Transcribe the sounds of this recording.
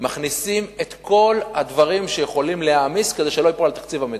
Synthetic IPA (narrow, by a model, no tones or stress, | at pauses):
maχnisime̞t̪ko̞lhad̪vaʁimʃejeχo̞limlehamiske̞deʃeloipoalt̪akt͡sivamed̪